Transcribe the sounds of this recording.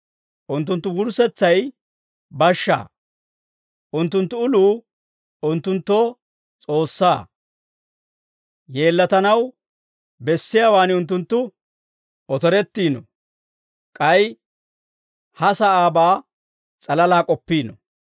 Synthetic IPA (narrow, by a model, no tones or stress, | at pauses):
ʔʊnt̪ːʊnt̪ːʊɡʊɾsɛt͡sːɐj | bɐʃːa̰ː | ʔʊnt̪ːʊnt̪ːʊʊluː | ʊnt̪ːʊnt̪ːɔ | t͡sʼo̞ːsːaː | je̞ːlːɐt̪ɐnɐw | bɛsːɪjaːwaːnɪʊnt̪̬ːʊnt̪ːʊ | ɔt̪ɔɾɛt̪ːiːnɔ̰ | kʼɐj | hɐsɐaːbaː | t͡sʼɐlɐlaːkʼɔpːiːnɔ̰